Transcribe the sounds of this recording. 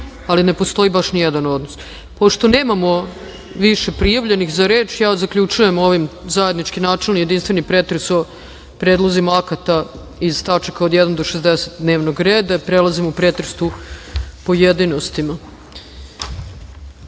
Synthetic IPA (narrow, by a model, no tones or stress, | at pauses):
aline̞po̞st̪o̞ibaʃnijed̪ano̞d̪nos | po̞ʃt̪o̞neːmamo̞ | ʋiʃe̞pɾijaʋʎe̞nixzaɾe̞ːt͡ʃjaːzakʎut͡ʃuje̞mo̞ʋimzajed̪nit͡ʃkinaːt͡ʃelnije̞d̪inst̪ʋenipɾeːt̪ɾeso̞ | pɾeːd̪lˠozimaakat̪a | iz̥t̪at͡ʃakaod̪jɛd̪and̪oʃezd̪eset̪d̪ne̞ːʋnoɡɾeːd̪apɾelazimupɾet̪ɾest̪u | pojed̪ino̞st̪ima